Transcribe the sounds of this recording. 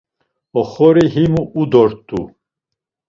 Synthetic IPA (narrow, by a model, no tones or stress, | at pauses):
ɔχɔɾiɦimuːd̪ɔɾt̪ʼṵ